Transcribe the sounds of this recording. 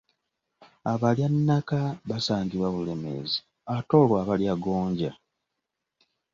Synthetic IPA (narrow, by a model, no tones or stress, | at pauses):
aβaljanːakaβasaːɲɟiβwaβule̞me̞̰zi | ato̞ːlwaːβaljaɡo̞ːɲɟa